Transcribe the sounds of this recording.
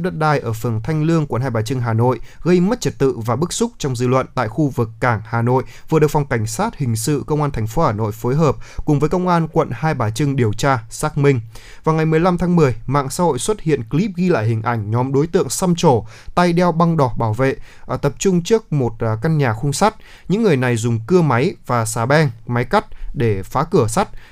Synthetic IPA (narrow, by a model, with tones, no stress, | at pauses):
ɗə˦˥t̚ɗaː˨˩jʔəː˧˩fɨ˨˩ənt̪ʰa˧jŋ̟lɨ˧əŋkwə̰˧˨nɦaː˧jɓaː˨˩t͡ɕɨ˧ŋɦaː˨˩no̰˧˨jɣə˧jmə˦˥t̚t͡ɕə˨˧˩t̚t̪ɨ̰˧˨vaː˨˩ɓɨ˦˥k̚sʊ˦˥k͡p̚t͡ɕɔ˧wŋ͡mzɨ̰˧˨lwə̰˧˨nt̪a̰ː˧˨jxu˧vɨ˨˩kːaː˧˩ŋhaː˨˩no̰˧˨jvɨ˨˩əɗkvwŋ͡mka˧˩jŋ̟saː˦˥t̚hï˨˩ŋ̟sɨ̰˧˨kə˧wŋ͡mʔaː˧nt̪ʰɛ˨˩ŋ̟fo˨˦haː˨˩no̰˧˨jfo˨˦jɦəː˨˩p̚kʊ˨˩ŋ͡mvəː˨˦jkə˧wŋ͡mʔaː˧nkwə̰˧˨nhaː˧jɓaː˨˩t͡ɕɨ˧ŋɗi˨˩əwt͡ɕaː˧saː˦˥k̚mï˧ŋ | vaː˨˩wŋa˨˩jmɨ˨˩əjla˧mt̪ʰaː˨˦ŋmɨ˨˩əjma̰ː˧˨ŋsa̰ː˧˥ho̰˧˨jswə˦˥t̚hḭ˧˨ənkli˦˥p̚ɣi˧la̰ː˧˨jɦï˨˩ŋ̟ʔa˧˩jŋ̟ɲɔ˨˦mɗo˨˦jt̪ɨ̰˧˨əŋsa˧mt͡ɕo˧˩ | t̪a˧jɗɛ˧wɓa˧ŋɗɔ˨˩ɓaː˧˩wvḛ˧˨˩t̪ə˨˩p̚t͡ɕʊ˧ŋ͡mt͡ɕɨ˦˥ək̚mo˨˩t̚ka˧nɲaː˨˩xʊ˧ŋ͡msa˦˥t̚ | ɲɨ̰˧˥ŋːɨ˨˩əjna˨˩jzʊ˨˩ŋ͡mkɨ˧əma˨˦jvaː˨˩saː˨˩ɓɛ˧ŋma˨˦jka˦˥k̚ɗe˧˩faː˨˦kɨ˧˩əsa˦˥t̚